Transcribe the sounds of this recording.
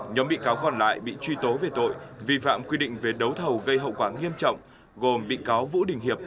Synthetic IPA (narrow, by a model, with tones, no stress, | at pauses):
ɲɔ˨˦mɓḭ˧˨kaː˨˦wkɔ˨˩nla̰ː˧˨jɓḭ˧˨t͡ɕwi˧t̪o˨˦ve˨˩t̪o̰˧˨jvi˧fa̰ː˧˨mkwi˧ɗḭ̈˧˨ŋ̟ve˨˩ɗə˨˦wt̪ʰə˨˩wɣə˧jɦə̰˧˨wkwaː˧˩ŋi˧əmt͡ɕɔ̰˧˨wŋ͡m | ɣo˨˩mɓḭ˧˨kaː˨˦wvṵ˧˥ɗï˨˩ŋ̟hi˨˩əp̚